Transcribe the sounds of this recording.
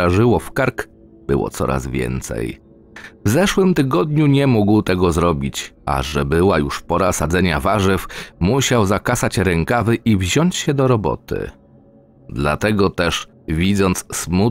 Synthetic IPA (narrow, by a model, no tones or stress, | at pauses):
aʐɘwɔfkaɾk | b̥ɘ̰wɔ̰t̪sɔ̰ɾa̰zvʲjɛ̰nt̪sɛ̰j | vzɛʂwɘmt̪ɘɡɔd̪̚ɲuɲɛmuɡwt̪ɛɡɔzɾɔbʲit͡ɕa̰ʐɛbɘwajuʂpɔɾasad̪zɛɲa̰vaʐɘfmuɕawzakasat͡ɕɾɛŋkavɘʔivʑɔɲt͡ɕɕɛd̪ɔɾɔbɔ̰t̪ɘ̰ | d̪lat̪ɛɡɔt̪ɛʂ | vʲid̪zɔnt̪ssmu